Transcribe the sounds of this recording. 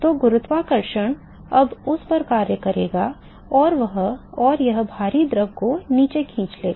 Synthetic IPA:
t̪oːɡʊɾʊt̪ʋakɐɾʃəɽ̃ | ɐbʊspɐɾkaːɾjəkɐɾḛːɡa | ɔːɾʋɐɦɔːɾjɐɦbʱaːɾid̪ɾəɡkoniːt͡ʃekʰĩːt͡ʃleːɡa

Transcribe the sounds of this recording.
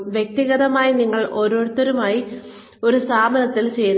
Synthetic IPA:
ʋjek̚t̪iɣɐðɐmaːjiniŋːɐɭʔo̞ːɾo̞ːɻt̪ːɐɾumaːji | o̞ɾusaːmɐnɐt̪ːilt͡ɕe̞jɾ

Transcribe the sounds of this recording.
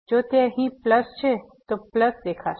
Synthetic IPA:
d͡ʒoːt̪eɦĩpləst͡ʃʰe | t̪opləsd̪eːkʰaːt͡ʃʰ

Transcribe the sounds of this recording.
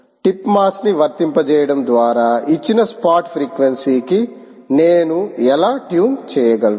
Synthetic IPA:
ʈipmaːsniʋɐɾt̪impɐt͡ʃɛːjɐɽɐmd̪ʋaːɾaːit͡ʃːinɐspaːʈpʰɾiːkʋensiːki | neːnuɛlaːʈjuːnt͡ʃɛːjɐɡɐl

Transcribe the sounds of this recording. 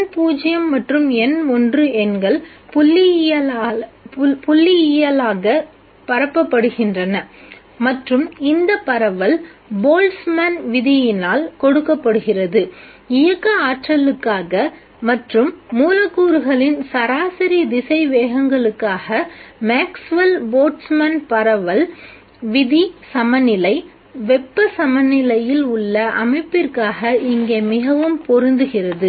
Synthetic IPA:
npuːd͡ʒɪjɐmːɐʈrɯmɛnɔndrɯʔɛnɡɐɭ | pʊlːɪɐ | pʊlːɪɪjɐlaːɣɐ | pɐɾɐpːɐpːɐɽɯɣɪndrɐnɐ | mɐʈrɯmɪnd̪ɐpːɐɾɐʋɐlboːlsmɐnʋɪðɪjɪnaːlkɔɽɯkːɐpːɐɽɯɣɪrɐðɯ | ɪjɐkːɐaːʈrɐlɯkːaːɣɐ | mɐʈrɯmːuːlɐkːuːɾɯɣɐɭɪnsɐɾaːsɐɾid̪ɪsɐɪʋeːɣɐŋɡɐɭɯkːaːɣɐmaːksʋɐlboːʈsmɐnpɐɾɐʋɐl | ʋɪðisɐmɐnɪlɐɪ | ʋɛpːɯsɐmɐnɪlɐjɪlʊɭːɐʔɐmɐɪpːɪrkaːɣɐʔɪŋɡeːmɪɣɐʋɯmpɔɾɪnd̪ɯɣɪrɐðɯ

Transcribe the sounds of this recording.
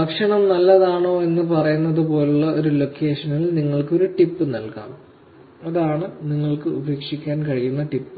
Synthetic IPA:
bɐkʂɐɳɐmnɐlːɐðaːɳo̞ːe̞nːɨpɐrɐjunːɐðɨpo̞ːluɭːɐʔo̞ɾulo̞kːeːʂɐnɐlniŋːɐɭko̞ɾuʈipːɨnɐlka̰ːm | ɐðaːɳɨniŋːɐɭkɨubeːkʂikʲːaːnkɐɻijunːɐʈipːɨ

